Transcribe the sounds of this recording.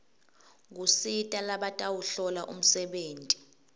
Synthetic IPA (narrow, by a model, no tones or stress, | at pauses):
k̬usitʼalaɓatʼawuɬɔlaʔṵm̩sɛɓeːntʼi̥